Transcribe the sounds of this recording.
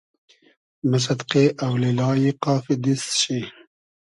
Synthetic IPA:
mas̬ɐd̪qeʔawlilɑːjiqɑːfid̪isɕi

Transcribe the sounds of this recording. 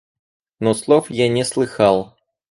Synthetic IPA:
noslˠofjanʲɪslˠɨxalˠ

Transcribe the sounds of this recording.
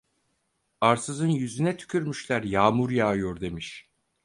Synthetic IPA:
aɾsɯzɯnjyzynɛt̪ʰy̥cʰʲyɾmyʃlʲæɾjaːmuɾjaːjoɾd̪e̞miʃ

